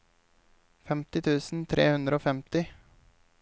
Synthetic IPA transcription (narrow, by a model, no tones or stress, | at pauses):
fɛmt̪ɪt̪ʰʉːsn̩t̪ʰɾeːhʉnd̪ɾəoːfɛmt̪ɪ